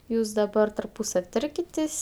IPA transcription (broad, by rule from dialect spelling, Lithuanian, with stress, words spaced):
ˈjuːs dɐˈbɐr tɐrˈpuːsɐw ˈtɐrʲkʲɪtʲeːsʲ